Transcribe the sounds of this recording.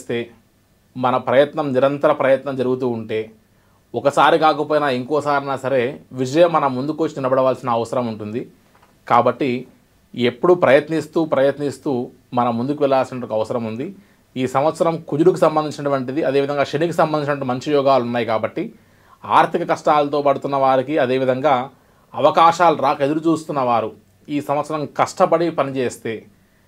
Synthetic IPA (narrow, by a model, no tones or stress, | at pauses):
st̪e̞ː | mɐnɐpɾɐjɐt̪nɐmniɾɐnt̪ɐɾɐpɾɐjɐt̪nɐmd͡ʒɐɾuɡut̪̬uːuɳʈe̞ː | ɔkɐsaːɾikaːkɐpoːjinaːeŋkɔːʋɐsaːɾɐnaːsɐɾe̞ːʋid͡ʒɐjɐmːɐnɐmːund̪ukʋot͡ʃːinilɐbɐɽɐʋaːlsinɐːʋɐsɐɾɐmuɳʈund̪i | kaːbɐʈːi | e̞pːuɽupɾɐjɐt̪nist̪uːpɾɐjɐt̪nist̪uː | mɐnɐmːund̪ukuʋɛɭaːlsinɐʈːokɐʋɐsɐɾɐmund̪i | iːsɐmʋɐt̪sɐɾɐmkud͡ʒuɾukisɐmbɐnd̪iɲt͡ʃinɐʈuʋɐɳʈid̪iɐd̪e̞ːʋid̪ʱɐŋɡaːʃenik̬isɐmbɐnd̪iɲt͡ʃinɐʈ̬ːumɐɲt͡ʃijɔːɡaːlunːaːjikaːbɐʈːi | aːɾt̪ʰikɐkɐʂʈaːlɐt̪o̞ːpɐɽut̪unːɐʋaːɾikiɐd̪e̞ːʋid̪ʱɐŋɡaː | ɐʋɐkaːʃaːluɾaːkɐed̪uɾut͡ʃuːst̪unːɐʋaːɾu | iːsɐmʋɐt̪sɐɾɐmkɐʂʈɐpɐɽipɐnit͡ʃeːst̪e̞ː